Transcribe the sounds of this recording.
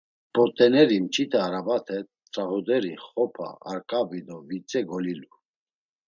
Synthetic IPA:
pʼɔt̪ʼɛnɛɾimt͡ʃʰit̪ʰəaɾabat̪ʰɛ | t͡sʼaɦɔd̪ɛɾiχɔpʰa̰ːɾkʼavid̪ɔvit͡sʼɛɡɔlilu

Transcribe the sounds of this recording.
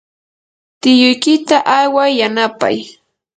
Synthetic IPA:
t̪ɪjʊjkɪt̪aʔajwajːanapa̰j

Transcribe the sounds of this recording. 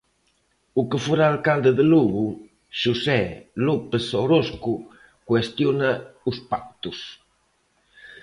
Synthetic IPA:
ukəfuɾaːlkald̪əðəluɣu | ʃusɛlupesowɾosku | kwest̪jonauspak̚t̪us

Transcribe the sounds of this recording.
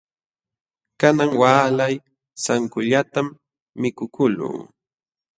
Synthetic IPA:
kanaŋwaːlaj | saŋkʊʎat̪amː | ɪkʊkʊlṵː

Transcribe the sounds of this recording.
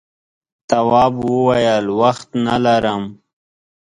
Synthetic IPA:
t̪awɑːbwəwajəlwaxt̪nalaɾəm

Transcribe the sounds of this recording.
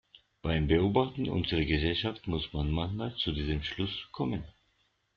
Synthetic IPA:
b̥aɪmbəoːbaχtn̩ʔʊ̰nzəʁəɡəzɛlʃaftmʊsmanmançmaːlt͡sudiːzəmʃlʊskʰɔmən

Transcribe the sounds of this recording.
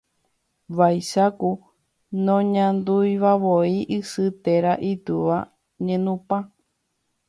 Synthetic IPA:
ʋajʃaku | nõɲãnd̪ujʋaʋoiʔɨsɨt̪e̞ɾaʔit̪uʋa | ɲẽnũpã

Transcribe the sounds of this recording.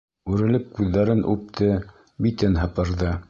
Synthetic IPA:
ʉɾɘ̆lɘp̚kʉðːæɾɘnʔʉ̰p̚t̪ʰɘ | bit̪ɘnɦɤ̆pɤ̆ɾðɤ

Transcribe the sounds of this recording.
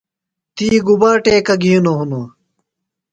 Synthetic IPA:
t̪iːɡubaːʈeːkɐɡiːnoɦuno

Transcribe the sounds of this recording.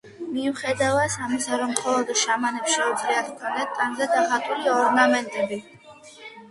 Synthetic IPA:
miuχɛd̪avasamisaɾɔmχɔlˠɔd̪ʃamanɛpsʃɛud̪zliat̪ʰkʰɔnd̪ɛt̪ʼaŋzad̪aχat̪ʼuliɔɾnamɛnt̪ʼɛbi

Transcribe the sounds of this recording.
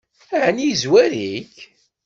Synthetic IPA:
aʕnizwæɾiç

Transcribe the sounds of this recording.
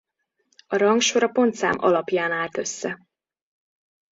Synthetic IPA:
ɒɾɒŋkʃo̞ɾɒpo̞nt̪sa̰ːmʔɒ̰lɒpjaːnaːlt̪ø̞sːɛ

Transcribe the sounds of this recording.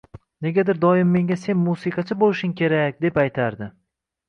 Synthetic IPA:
ne̞ɡʲad̪ɪɾd̪ɒjɪmːe̞ŋʲase̞nmusiqʰɑt͡ʃʰabolɪʃʊŋkʲʰe̞ɾakʲd̪e̞pajt̪ʰaɾd̪ɪ

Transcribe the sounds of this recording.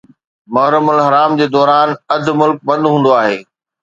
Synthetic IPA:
mɐɦɾəmʊlɦɐɾaːmd͡ʑeːd̪ɔːɾaːnɐd̪ʱmʊlk̚bɐ̃nd̪ɦũːnd̪oaːɦeː

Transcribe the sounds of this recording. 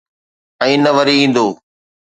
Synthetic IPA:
ɛ̃ːnəʋəɾiĩːn̆d̪oː

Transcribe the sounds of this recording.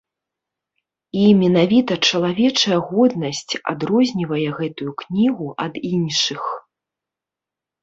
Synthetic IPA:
imʲɛnavʲit̪ɐt͡ʂɐlˠavʲɛt͡ʂɐjɐɣɔd̪nɐsʲt͡sʲa̰d̪ɾɔzʲnʲivɐjɛɣɛt̪ujuknʲiɣuʔɐd̪inʂɨx

